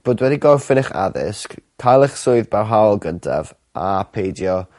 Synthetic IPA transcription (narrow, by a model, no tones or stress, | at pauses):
b̥oːdwɛdiɡɔrfɪnɪχa̰ðɪ̰skkʰːajlˠɛχsʊɨðbarɦawlˠɡəntʰa̰v | ʔapʰejdjɔ